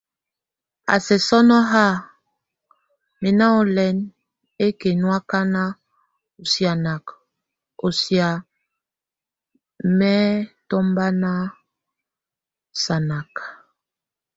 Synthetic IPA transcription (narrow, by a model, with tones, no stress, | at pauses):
a̰˨sɛ˨sɔ˦nɔ˦ɦa˦˨ | me˨na˦ɔ˨lɛ˨˦n | e˦ke˨nwa˦ka˦na˦ | o˨sja˨na˨k | o˨sja˨ | mɛ˦tɔ˦mba˦na˦ | sa˨na˨ka˨